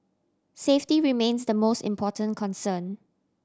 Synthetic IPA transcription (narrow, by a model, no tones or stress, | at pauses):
seftiɹimẽnsdəmostɪ̰̃mpʰɔtʰə̃nkʰɔ̃nsə̃n